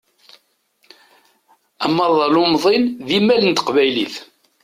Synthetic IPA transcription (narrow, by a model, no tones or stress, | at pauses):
æmːɑðˤɑlʊmðˤinðimælənt̪ə̥qvæjliθ